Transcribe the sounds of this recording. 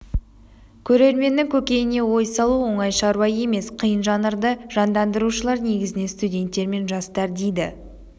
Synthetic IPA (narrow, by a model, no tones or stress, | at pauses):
kʲʰɵɾe̞ɾme̞nːɪŋkʲʰɵkʲe̞jɪne̞wo̞jsɑlˠuwo̞ɴɑjʃɑɾwɑje̞me̞sqʰijənʒɑnəɾd̪əʒ̥ɑnd̪ɑnd̪əɾuʃəlˠɑɾne̞ɡʲɪzɪne̞st̪udʲe̞nt̪ːe̞ɾme̞nʒɑst̪ɑɾd̪e̞jd̪ɪ̰